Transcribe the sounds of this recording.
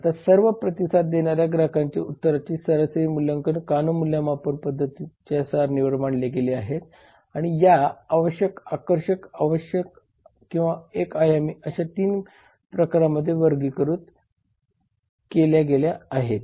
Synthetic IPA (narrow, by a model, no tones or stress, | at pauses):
at̪asəɾʋəpɾət̪isat̪̚d̪eɳaɾjaɡɾakʰaɲt͡ɕḛut̪ːəɾat͡ɕiːsəɾəsɾiːmuljəŋkənkanumuljamapənpəd̪ʱːət̪it͡ɕasaɾniʋəɾmaɳɖleɡeleaɦet̪ | aɽ̃ijaːʋəɕjəkakəɾɕəkaʋəɕjək | kĩw̃ʋaekajamiʔəɕat̪iːn | pɾəkaɾaməd̪ʱːjeʋəɾɡiːkəɾuːt̪ | keljaɡeljaːɦet̪